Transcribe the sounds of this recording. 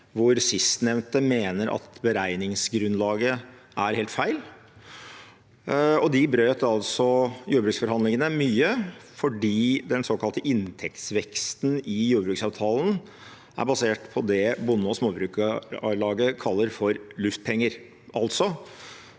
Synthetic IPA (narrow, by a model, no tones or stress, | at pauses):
ʋʊɾsɪst̪nɛʋnt̪əmeːnəɾʔɑ̰t̪bəɾæɪnɪŋsɡɾʉnlɑːɡə | ʔæɾheːlt̪fæɪl | ɔd̪ɪbɾøːt̪ɑlsɔjuːɾəbɾʉːksfɔɾhɑnd̪lɪŋənəmyːəfɔɖiːd̪ɛnsoːkɑlt̪əʔɪnt̪ʰɛk̚t̪sʋɛkst̪nɪjuːɾbɾʉːksɑːʋt̪ʰɑːln̩ | æ̰ɾbɑseːʈpʰɔd̪ɛbʊnːəɔsmoːbɾʉːklɑːɡəkʰɑlːəɾfɔɾlʉft̪̚pʰɛŋːəɾ | ʔɑlt̪sɔ